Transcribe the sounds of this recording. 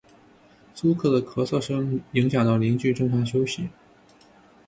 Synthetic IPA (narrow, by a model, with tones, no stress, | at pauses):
su˥kʰɤ˥˩d̪ə˩kʰɤ˧˥sɤ˥˩ʂɤ˥ŋi˧˥ŋɕ̬jɑ˨˩ŋt̪ɑ˥˩ʊli˧˥ŋt͡ɕy˥˧ʈ͡ʂɤ˥˩ŋfa˥˩ɕ̬jo˥ʊɕi˨˩˦